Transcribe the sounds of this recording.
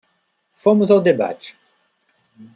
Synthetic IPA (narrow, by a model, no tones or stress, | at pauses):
fõmʊzawd̪eba̰t͡ʃɪ̥